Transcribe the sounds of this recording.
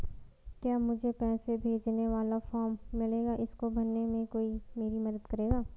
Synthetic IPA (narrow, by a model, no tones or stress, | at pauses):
kjaːmʊd͡ʒʱepɛːsebʱeːd͡ʒneʋaːlafɔːɾmːɪleːɡaʔɪskobɐnːemẽkoːimeːɾimɐd̪əd̪kɐɾeːɡaː